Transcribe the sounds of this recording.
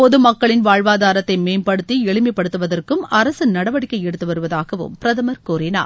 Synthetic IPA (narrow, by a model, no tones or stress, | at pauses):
pɔðɯmɐkːɐɭɪnʋaːɻʋaːðaːɾɐt̪ːɐɪmeːnpɐɽɯt̪ːiɛɭɯmɐpːɐɽɯt̪ːɯʋɐðɐrkɯmɐɾɐsɯnɐɽɐʋɐɽɪkːɐɪɛɽɯt̪ːɯʋɐɾɯʋɐðaːɣɐʋɯ̰mpɪɾɐðɐmɐɾkoːɾɪna̰ː